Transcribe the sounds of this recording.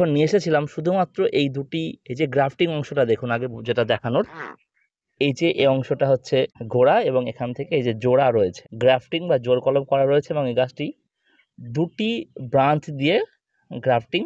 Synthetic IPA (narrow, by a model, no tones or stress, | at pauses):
onnieʃet͡ɕʰilamʃud̪ʱumat̪ːɾoʔejd̪uʈiejd͡ʑeɡɾapʰʈiŋɔŋʃoʈad̪ekʰunaɡed͡ʑeʈad̪ɛkʰanoɾ | ejd͡ʑeʔeɔŋʃoʈaɦotːɕʰeɡʱoɽaeboŋekʰant̪ʰekeejd͡ʑed͡ʑoɽaɾoet͡ɕʰe̥ɡɾafʈiŋbad͡ʑoɾkɔlop̚kɔɾaɾoet͡ɕʰeeboŋejɡasʈi | d̪uʈibɾant͡ɕd̪ie | ɡɾapʈiŋ